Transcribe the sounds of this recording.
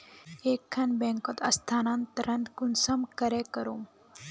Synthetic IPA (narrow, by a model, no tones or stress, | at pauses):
eːkʰːanbẽŋkɔt̪ɐst̪ʰaːnant̪ɐɾɐ̃nt̪kunsɐmkɐɾekɐɾom